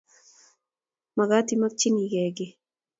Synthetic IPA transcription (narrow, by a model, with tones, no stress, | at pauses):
ma˨ɡa˦ti˦ma˦k̚t͡ʃi˦ni˨ɡɛ˨ɡɪ˦